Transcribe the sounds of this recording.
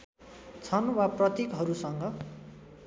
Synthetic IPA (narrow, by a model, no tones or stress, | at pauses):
t͡sʰʌnwaprʌt̪ikɦʌɾusʌŋɡʌ